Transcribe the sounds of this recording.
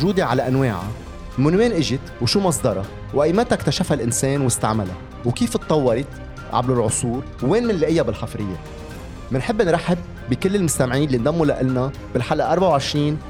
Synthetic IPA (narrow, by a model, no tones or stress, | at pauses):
ʒuːd̪eʕalaʔanweːʕa̰ | mʊnweːnʔɪʒɪt̪wʃuːmɑsˤd̪ɑɾˤɑ | wʔajːmaːt̪akt̪aʃafalʔɪnseːnwɪst̪a̰ʕmala̰ | wkiːft̪ˤːɑwːɑɾˤɪt̪ | ʕa̰blɪlʕʊsˤuːɾ | wːeːnmɪnlaʔɪjːabɪlħafɾɪjːe | mɪnħɪbːnɾˤaħɪb̚ːikɪlːɪlmʊst̪amʕiːnɪlːind̪amːulaʔɪlna | bɪlħalʔaʔɑɾˤbaʕawʕɪʃɾiːn